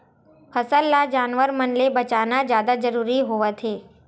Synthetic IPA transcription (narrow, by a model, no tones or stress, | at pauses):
fʰɐsəlːad͡ʒaːnʋəɾmɐnlebɐt͡ʃaːnazjaːd̪ad͡ʒɐɾuːɾiɦoat̪ʰeː